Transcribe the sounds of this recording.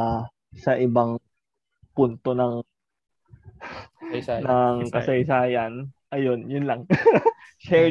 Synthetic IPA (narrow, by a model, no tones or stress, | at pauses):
sɐʔɪbaŋ | punt̪o̞nɐŋ | nɐŋkɐsɐjsaːjɐnʔɐjo̞njʊnlɐŋ | ʃɛ